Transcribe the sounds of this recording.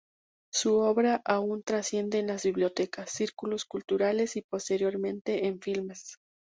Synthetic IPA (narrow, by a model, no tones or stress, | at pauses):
suo̞βɾaʔaunt̪ɾasje̞nd̪e̞ːnlazβiβljot̪e̞kasːiɾkuloskult̪uɾale̞sipo̞st̪e̞ɾjo̞ɾmẽ̞nt̪e̞ʔeɱfilmes